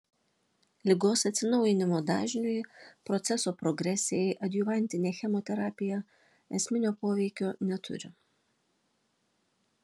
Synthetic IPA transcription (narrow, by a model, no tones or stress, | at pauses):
lʲɪɡoːsɐt̪sʲɪnɔʊjɪnʲɪmoːd̪ɑ̰ːʒʲnʲujpɾɔt̪sʲɛsoːpɾɔɡɾʲɛsʲɪjɛɪʔɐd̪ʲjʊʋɐnʲt̪ʲɪnʲeːxʲɛmɔt̪ʲɛɾɑːpʲɪjɛ | ɛsʲmʲɪnʲoːpoːʋʲɛɪkʲoːnʲɛt̪ʰʊ̰ɾʲɪ